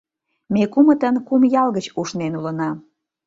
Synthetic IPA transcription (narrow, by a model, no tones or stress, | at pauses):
mekumət̪ənkumjɑlɣət͡ɕuʃnenulənɑm